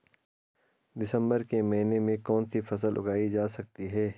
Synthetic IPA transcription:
d̪ɪsə̃mbəɾkemɐɦinemẽkɔːnsifɐs̬əlʔʊ̰ɡaːid͡ʒaːsɐk̚t̪iɦɛː

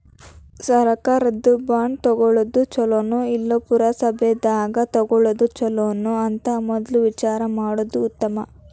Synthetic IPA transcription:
sɐɾɐkaːɾɐd̪ːubaːɳɖt̪ɔɡɔɭod̪ut͡ʃɔloːnuilːopuɾɐsɐbʱed̪aːɡɐt̪ɐɡɔɭod̪ut͡ʃɔloːnuɐnt̪ɐmɔd̪ɐluʋit͡ʃaːɾɐmaːɽod̪uːt̪ːɐmɐ

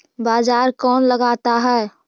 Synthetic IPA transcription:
baːd͡ʒaːɾkɔːnləɡat̪aɦɛː

